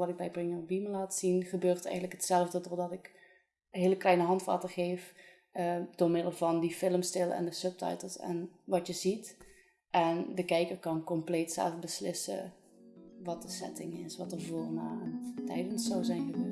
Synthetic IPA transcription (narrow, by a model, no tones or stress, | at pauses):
ʋɑtɪɡ̚bɛjbrɪŋəbiməlaːtsinχəbøːrtɛ̰jɣəntləkhətsɛlˠvdədoɹdɑtɪk | ɦɪːləklɛjnəɦɑntʋa̰ːtərχejf | əd̥ʊːɹmɪdəl̩ˠvɑndifɪləmstɪlˠɛ̰ndəsɵp̚tɑ̰jtəlˠsɛ̰nʋɑtjəzit | ʔɛndəkɛjkərkɑnkɔmplejtsɛ̰lˠfbəslɪsə̰ | ʋɑt̚dəsɛ̰tɪŋɪsʋɑtəvoːrnaːəntɛjdənsɔwzɛjnɣəbøː